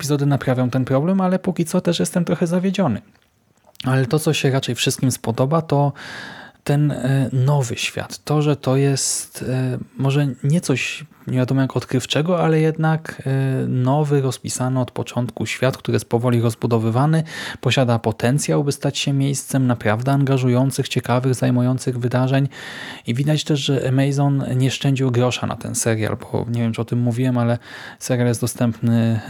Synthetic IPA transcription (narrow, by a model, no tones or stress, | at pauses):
ɛpʲizɔd̪ɘnapɾavʲjɔ̃w̃t̪ɛnpɾɔblɛmalɛpukʲit̪sɔt̪ɛʂjɛst̪ɛmt̪ɾɔxɛzavʲjed͡ʑɔnɘ | alɛt̪ɔt̪sɔɕɛɾat͡ʂɛjfʂɘst̪kʲimspɔd̪ɔbat̪ɔ | t̪ɛnːɔvɘɕfʲja̰t̪ːɔʐɛt̪ɔjɛst̪mɔʐɛɲɛt̪sɔɕɲɛvʲjad̪ɔmɔmjakɔt̪kɾɘft͡ʂɛɡɔalɛjɛd̪nak | nɔvɘɾɔspʲisanɛɔt̪pɔt͡ʂɔnt̪kuɕfʲjat̪̚kt̪uɾɘjɛst̪̚pɔvɔlʲiɾɔzbud̪ɔvɘvanɘpɔɕad̪apɔt̪ɛnt̪sʲjawbɘst̪at͡ɕɕɛmʲjejst̪sɛmnapɾavd̪ɛaŋɡaʐujɔnt̪sɘxt͡ɕɛkavɘɣzajmujɔnt̪sɘɣvɘd̪aʐɛɲivʲid̪at͡ɕt̪ɛʐʐɛmɛjzɔnɲɛʂt͡ʂɛɲd͡ʑiwɡɾɔʂa̰na̰t̪ɛ̰nsɛɾʲja̰lbɔ̰ɲevʲjɛmt͡ʂɨɔt̪ɘmːuvʲiwɛmalɛsɛɾʲjaljɛst̪d̪ɔst̪ɛmpnɘ